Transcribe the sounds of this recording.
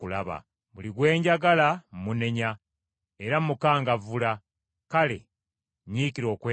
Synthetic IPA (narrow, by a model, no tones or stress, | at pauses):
ula̰βa̰ | muliɡwe̞ːɲɟaɡalammune̞ɲa | eɾamukaːŋɡavula | kale̞̰ | ɲiːkiɾo̞ːkwe